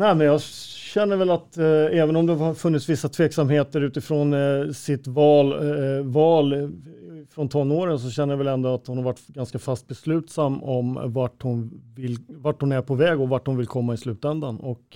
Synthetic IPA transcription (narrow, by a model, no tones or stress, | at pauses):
nɛɪmɛnjɑːɕɛnːəɾvɛlat̪ɛːvənɔmd̪ɛhɑhɑɾfɵnːɪt̪svɪsːat̪ʰveːksamheːt̪əɾʉ̟ːt̪ɪfɾoːnsɪt̪vɑːlvɑːl | fɾɔnt̪ʰɔnːoːɾəns̬ɔɕɛnːəjavɛlɛnd̪ɔat̪hʊnhaɾvaʈːɡanskafast̪̚bɛslʉ̟ːt̪samːɔmvaʈhʊnvɪlvaʈhʊnæɾpʰɔvɛːɡɔvaʈhʊnvɪlkʰɔmːaɪslʉ̟ːt̪ɛnd̪anɔk